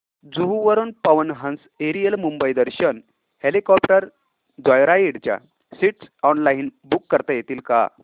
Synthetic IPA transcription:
d͡zuɦuʋəɾuːnpəʋənɦə̃ns | eɾijəlmumbəjd̪əɾɕən | helikɔpʈəɾ | d̪ʋajɾaiɽt͡ɕja̰ | siʈsɔnlainbukːəɾt̪ajet̪iːlka̰

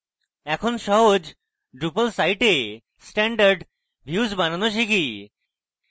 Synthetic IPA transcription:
ɛkʰonʃɔɦod͡ʑ | ɖɾupəlsajʈe | sʈɛɳɖaɾɖ | bʱjuːzbananoʃiki

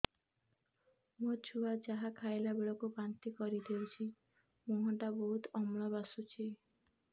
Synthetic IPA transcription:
mot͡ʃʰuad͡ʒaɦakʰajlabeɭɔkubant̪ikɔɾid̪ewt͡ʃʰi | muɦɔʈaboɦut̪ɔmɭɔbasut͡ʃʰi

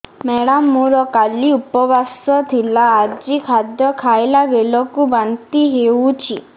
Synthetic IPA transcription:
mɛɽamːuɾɔkaliupɔbasɔt̪ʰilaːd͡ʒikʰad̪jɔkʰaelabelɔkubant̪iɦeut͡ʃʰi

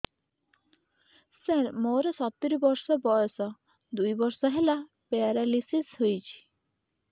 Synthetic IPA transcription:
selmoɾesɔt̪ːiɾibɔɾsɔbɔɔsɔ | d̪ujbɔɾsɔɦela | peaɾalisisɦojt͡ʃʰi̥

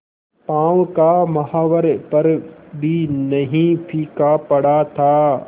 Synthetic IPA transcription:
pãːwkamɐɦaːʋəɾpɐɾbʱinɐɦĩpʰiːkapɐɽat̪ʰaː

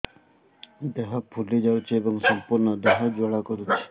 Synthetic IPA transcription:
d̪eɦɔpʰulid͡ʒawt͡ʃʰiebɔŋsɔmpuɾnɔd̪eɦɔd͡ʒoɭakɔɾut͡ʃʰi̥

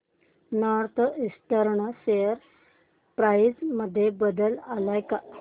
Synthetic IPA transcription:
nɔɾt̪ʰist̪əɾɳəsejəɾ | pɾajd͡zməd̪ʱːjebəd̪əlalajka

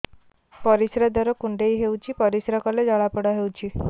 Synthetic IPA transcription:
pɔɾisɾad̪ɔɾɔkuɳɖeiɦewt͡ʃʰipɔɾisɾakɔled͡ʒɔɭapɔɽaɦewt͡ʃʰi

